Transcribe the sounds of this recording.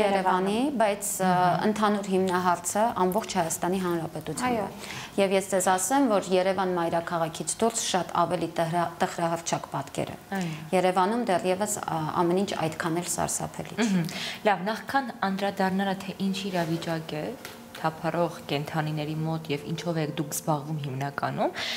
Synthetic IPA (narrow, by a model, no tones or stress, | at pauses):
jɛɾɛvɑnibɑjt͡sʰə̰nt̪ʰɑnuɾɦimnɑɦɑɾt͡sʰəʔɑmbɔχt͡ʃʰhɑjɑst̪ɑniɦɑnɾɑpɛt̪ut͡sʰj | jɛvjɛsd͡zɛzɑsɛmvɔɾjɛɾɛvɑnmɑjɾɑkʰɑʁɑkʰit͡sʰd̪uɾsʃɑt̪ɑ̰vɛlit̪əχɾɑɦərt͡ʃʰɑkpɑt̪kɛ̰ɾə̰jjɛɾɛvɑnumd̪ɛrjɛvəsɑ̰mɛnint͡ʃʰɑ̰jt̪kʰɑnɛlsɑ̰ɾsɑ̰pʰɛ̰lḭlɑvnɑχkʰɑnɑnɾɑd̪ɑrnɑɾɑt̪ʰɛʔint͡ʃʰiɾɑvit͡ʃɑkɛ | t̪ʰɑpʰɑrɔʁkɛnt̪ʰɑninɛɾimɔt̪jɛvint͡ʃʰɔvɛkʰd̪ukʰzbɑʁvumhimnɑkɑ̰num